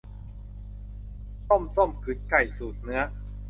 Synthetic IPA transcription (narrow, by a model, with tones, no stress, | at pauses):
so˥˩mso˥˩mkʰɯ˨˦˥t̪̚ka˨˩jsuː˨˩t̪̚nɯ˦˥ɐ